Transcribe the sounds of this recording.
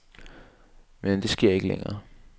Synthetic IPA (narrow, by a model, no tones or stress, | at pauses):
mend̥e̝sɡ̥e̝ɐ̰e̝ɡ̥əlḛŋɐː